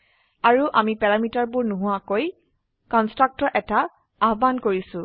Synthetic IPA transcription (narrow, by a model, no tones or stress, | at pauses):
aɹuʔamipɛɹamitaɹbʊɹnuɦʊakoj | kɔnstɹak̚tɔʔɛta | aɦbankoɹisʊ̃